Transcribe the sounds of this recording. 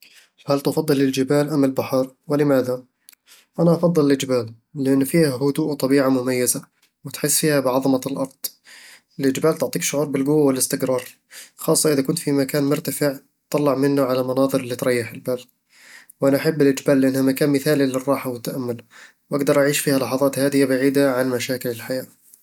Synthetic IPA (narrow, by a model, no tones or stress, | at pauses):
fhalt̪ʔɑfɑd̪ˤːɨlɪld͡ʒɪbaːlʔamːɪlbaħɑɾˤwɪlɪmaːða | ʔanaʔɑfɑðˤːɨlɪlʔɪd͡ʒbaːlː | ɪʔɪnːfiːhahʊd̪uːʔt̪ˤɑbiːʕamʊmajːɪza | wɪt̪ħɪsːfiːhabɪʕɑðˤɑmɑlʔɑɾˤd̪̥ˤ | ɪlʔɪd͡ʒbaːlt̪ʊʕt̪ˤiːkʃʊʕuːɾˤbɪlɡʊwːawɪlɪst̪ɪqɾɑːɾˤ | xɑːsˤːɑʔɪðakʊnt̪fimakaːnmʊɾt̪afɪʕ | t̪ːˤɑlːɑʕmɪnːʊʕalamɑnɑːðˤɨɾɪlːit̪ɾˤɑjːɪħɪlbaːl | wʔanaʔaħabːɪlʔɪd͡ʒbaːlːɪʔanːhamakaːnmɪθaːlilɪrˤːɑːħawɪt̪ːaʔamːʊl | wʔaɡd̪ɑɾˤʔaʕiːʃfiːhalɑħɑðˤɑːt̪haːd̪ɪjabaʕiːd̪aʕanmaʃaːkɪlɪlħajaː